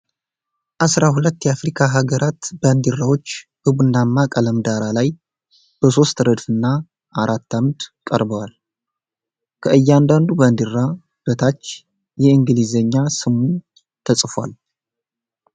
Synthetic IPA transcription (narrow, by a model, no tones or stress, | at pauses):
ʔasɾahulət̪ːjɛafɾikʰaɦaɡəɾʔat̪bənd̪ɨrːawo̞t͡ʃːbɨβɨnːamːakʼələmd̪aɾalaj | b̥əso̞st̪ɾəd̪fɨnːa | ʔaɾʔat̪ːamd̪kʼə̰ɾbəwal | kʰəʔɨjːand̪and̪ubənd̪ɨɾːa | b̥ət̪ʰat͡ʃː | jɛɨŋɡɨlizəɲːasɨmu | t̪ʰəsʼfa̰l